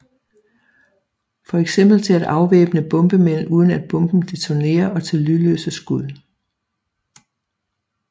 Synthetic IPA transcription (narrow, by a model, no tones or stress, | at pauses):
fɒ̽eɡ̥sem̰b̥l̩t͡sʰe̝æd̥ɑ̈ʊʋeːb̥ənəb̥ɔ̽mb̥əmen̰uːð̞ˠn̩æd̥̚b̥ɔ̽mb̥n̩d̥e̝t͡sʰone̝̰ːɐʔɒ̽t͡sʰe̝lːylø̰ːsəsɡ̥uðˠ